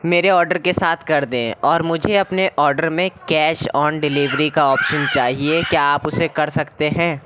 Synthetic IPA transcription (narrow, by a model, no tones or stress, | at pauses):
meːɾeɔːɾɖəɾkesaːt̪ʰkɐɾd̪ẽːɔːɾmʊd͡ʒʱeɐpneʔɔːɾɖəɾmẽkɛːʃɔːnɖɪliːʋɾikaɔːpʃənt͡ʃaːɦiekjaaːpʊsekɐɾsɐkt̪eɦɛ̃ː